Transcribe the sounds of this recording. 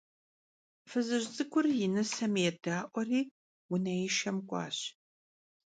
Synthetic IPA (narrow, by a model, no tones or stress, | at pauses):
fɨzɨʑt͡sʼɨkʷʰʊrjɪnɐsɐmjɛdaːʔʷɔriː | wʊnɐjɪʃɐmkʷʼɑ̰ːɕ